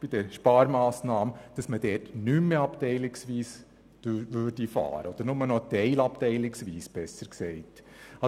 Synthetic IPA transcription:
b̥id̥ɛɾʃpɑːɾmɑːsnɑːmd̥ɑsməd̥ɛːtnymːeɑptɛɪlɪksʋiːs | ʋøːɾd̥ifɑ̰ːɾəod̥̪əɾnʊmənɔtɛɪlɑptɛɪlɪksʋiːsb̥ɛsəɾksɛɪt | ɑ

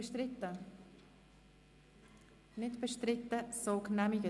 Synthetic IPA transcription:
tə | nɪtb̥əʃtɾɪtːəsoːknɛmiɡə

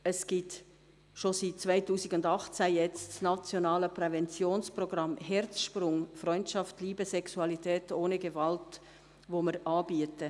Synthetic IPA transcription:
əsɡ̥it | ʃosit̚t͡svaɪtuːsiɡʊndɑχt͡sæjɛt͡ssnɑt͡sjonɑːləpɾɛvɛnt͡sjoːnsproɡ̥ɾɑmhɛɾt͡sʃprʊŋfrɔʏntʃɑftliːbəsɛksuɑlitʰɛːtʰoːnəɡevɑlt | ʋoməɾʔɑːbiətə

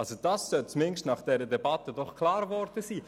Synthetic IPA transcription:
ɑlsod̥ɑssœlt͡smɪnʃtnɑχd̥ɛɾədɛbɑtədɔχkʰlɑːɾvɔɾd̥əsiː

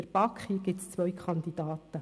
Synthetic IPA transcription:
əɾb̥ɑkχiɡ̥ɪtst͡sʋœjkχɑnd̪id̥̪ɑːt̪ə

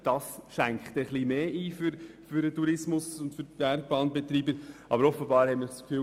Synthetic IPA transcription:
d̥ɑsʃæŋkχt̪ɛχlimeːiːfʏɾfʏɾətuɾɪsmʊsʊntfʏɾtb̥æɾɡ̚b̥ɑːnbɛt̪ɾiːbəɾʔɑbəɾɔfəbɑːɾhɛmɪɾskfy

